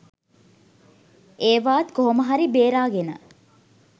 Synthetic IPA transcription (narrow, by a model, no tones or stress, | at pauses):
ʔeːʋaːt̪koɦoməɦaɾibeːɾaːɡenə̰